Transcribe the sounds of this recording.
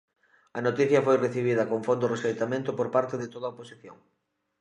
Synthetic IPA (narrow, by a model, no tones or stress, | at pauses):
ɐnot̪iθjɐfojreθiβ̞iðɐkoŋfond̪ʊresejt̪amẽnt̪ʊpoɾpaɾt̪eðet̪oðɐoposiθjo̰ŋ